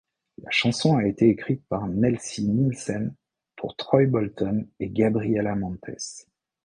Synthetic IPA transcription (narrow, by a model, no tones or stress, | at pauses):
la̰ʃɑ̃sɔ̃aet̪eːkχit̪̚paʁnɛlsinilsɛn | pʰuʁt̪χɔjbɔlt̪ɔneɡabʁijɛlamɑ̃t̪ʰɛ̰s